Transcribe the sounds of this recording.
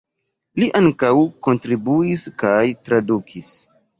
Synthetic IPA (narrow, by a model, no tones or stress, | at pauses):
liʔaŋkawko̞ntɾibuiskajtɾadukʰis